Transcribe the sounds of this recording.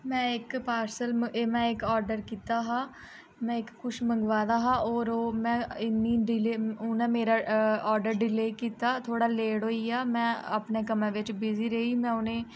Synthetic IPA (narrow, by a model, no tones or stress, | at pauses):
mɛ̃ːɪkpaːɾsəlmeːmɛ̃ːɪkɔːɾɖəɾkiːt̪aːɦaː | mɛ̃ːɪkːʊʃməŋɡʋaːd̪aːɦãːoːɾoːmɛ̃ːɪnːiːɖɪleːʊnɛ̃ːmeːɾaːɔːɾɖəɾɖɪleːkiːt̪aːt̪ʰoːɽaːleːɽɦoːiːaːmɛ̃ːəpneːkəmẽːʋɪt͡ʃbɪziːɾəɦiːmɛ̃ːʊnẽː